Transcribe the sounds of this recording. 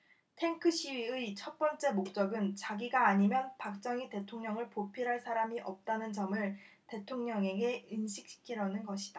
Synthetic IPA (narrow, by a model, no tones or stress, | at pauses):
tʰe̞ŋkʰɯɕʰiɥiɯit͡ɕʰʌt̚p͈ʌnt͡ɕ͈e̞mok̚t͡ɕ͈ʌɡɯnt͡ɕaɡiɡaːɲimjʌnpak̚t͡ɕ͈ʌŋite̞tʰoŋɲʌŋɯɭpopʰiɾɦaɭsʰaɾamiʔʌp̚t͈anɯnd͡ʑʌmɯɭ | te̞tʰoŋɲʌŋe̞ɡe̞ɯnɕʰi̥k̚ɕ͈ʰi̥kʰiɾʌnɯnɡʌɕʰi̥d̥a